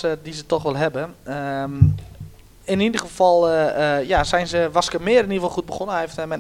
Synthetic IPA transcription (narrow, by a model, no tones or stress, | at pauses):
ədizətɔxʋɛlˠɦɛbə | ɪnidəɣəfɔlˠəjazɛjnzəʋaskəmɪəɾɛniəfɔlˠxut̚bəxonəhɛftəmɛ